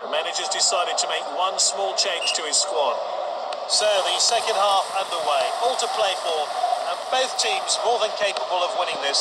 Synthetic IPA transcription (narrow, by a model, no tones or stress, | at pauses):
ðəmænɪd͡ʒə˞zdɪsaɪɾɨd̚tʰəmeɪkwʌ̃nsmɔːlˠt͡ʃʰẽɪ̃nʒ̥tʰəɪz̥skwɔn | səʊðɨsɛkɨ̃nd̚hɑfə̃nðəweɪʔɔl̚ˠtʰəpʰl̥eɪfə˞ə̃nbəʊθtʰĩmzmɔɹðə̃nkʰeɪpəbəlˠʌvwɪ̃ñɪ̃ŋðɪs